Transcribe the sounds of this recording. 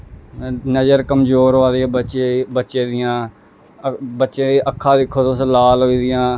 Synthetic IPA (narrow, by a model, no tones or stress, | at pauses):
nəd͡ʒəɾkəmzoːɾaːd̪iãːbət͡ʃebətːʃeːd̪ɪjãː | bətːʃeːeːʔəkʰːãːd̪ɪkʰːoːt̪õːsəlaːlɦoːiːd̪ɪjãː